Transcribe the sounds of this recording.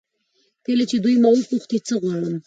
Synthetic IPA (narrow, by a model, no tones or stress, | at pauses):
kəlat͡ʃed̪ujmawəpuxt̪it͡səɣwɑɽəm